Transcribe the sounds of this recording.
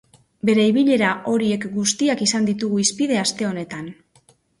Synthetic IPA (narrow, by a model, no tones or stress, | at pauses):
be̞ɾe̞iβiʎe̞ɾaʔo̞ɾie̞kɡust̪iakisand̪it̪uɣuispiðe̞ast̪e̞o̞ne̞t̪an